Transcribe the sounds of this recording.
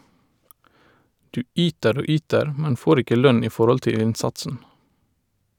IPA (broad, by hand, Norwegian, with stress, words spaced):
ˈdʉː ˈʔyːtəɾ ˈoː ˈyːtəɹ ˈmɛn ˈfoːɾ ˈɪkə ˈlœn ˈiː ˈfɔɾɔl ˈtɪl ˈɪnˌsɑtsn̩